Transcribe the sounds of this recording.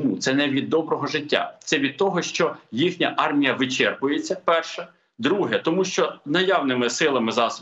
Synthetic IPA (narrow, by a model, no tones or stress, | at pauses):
mut̪sɛnɛʋʲid̪ːɔbɾɔɦɔʒɪtʲːa̰t̪sɛʋʲid̪̚t̪ɔɦɔʃt͡ʃɔjixnʲɐʔɑrmʲijɐʋɪt͡ʃɛrpʊjet͡sʲːɐpɛrʃɛ | d̪ɾuɦɛt̪ɔmuʃt͡ʃɔnɐjawnɪmɪsɪlˠɐmɪzɑs